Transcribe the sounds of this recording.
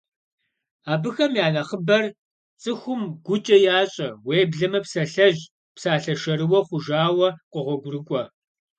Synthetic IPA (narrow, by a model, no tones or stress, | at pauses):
aːbɨxɐmjaːnɐχəbɐr | t͡sʼɨxʷʊmɡʷʊt͡ʃʼɐjaːɕʼɐweːbɮɐmɐpsɐɬɐʑ | psaːɬɐʃɐɾɨwɐχʷʊʒaːwɐqʷʊʁʷɔɡʷʊrɨkʷʼɔ